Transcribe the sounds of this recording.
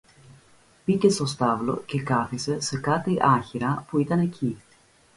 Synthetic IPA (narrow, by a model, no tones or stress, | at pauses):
pice̞st̪o̞st̪ɐvlo̞̰ce̞kɐθise̞se̞kɐt̪iʔɐçiɾɐpuit̪ɐne̞cʰi